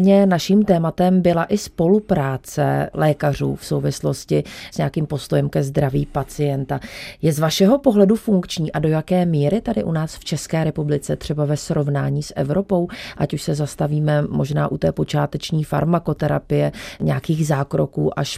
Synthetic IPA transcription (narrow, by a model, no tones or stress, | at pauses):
ɲɛnaʃiːmt̪ɛːmat̪ɛmbɪlaʔɪspo̞lupɾaːt͡sɛ̰lɛːkar̝ṵːfso̞wvɪslo̞scɪsɲɛakiːmpo̞st̪o̞jɛmkɛzd̪ɾavḭːpat͡sɪjɛnt̪ajɛzvaʃɛɦo̞po̞ɦlɛdufuŋkt͡ʃɲiːʔado̞jakɛːmiːɾɪt̪adɪʔunaːsft͡ʃɛskɛːɾɛpublɪt͡sɛt̪r̝̥ɛbavɛsɾo̞vnaːɲiːsʔɛ̰vɾo̞po̞wʔacuʃsɛzast̪aviːmɛmo̞ʒna̰ːʔut̪ɛːpo̞t͡ʃa̰ːt̪ɛt͡ʃɲiːfa̰ɾmako̞t̪ɛɾa̰pɪjɛɲɛakiːxzaːkɾo̞kuːʔaʃ